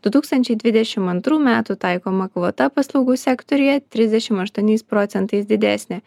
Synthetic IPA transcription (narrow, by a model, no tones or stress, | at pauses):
d̪̥ʊt̪uːkst̪ɐnʲt͡ʃʲɛɪd̪ʲʋʲɪd̪ʲɛʃʲɪmɐnt̪ɾuːmʲæːt̪uːt̪ɑɪkoːmɐkʋoːt̪ɐpɐslˠɐʊɡuːsʲɛkt̪ɔɾʲɪjɛt̪ʲɾʲɪzd̪ʲɛʃʲɪmɐʃt̪uɔnʲɛɪspɾoːt̪sʲɛnt̪ɐɪsd̪ʲɪd̪ʲæːsʲnʲɪ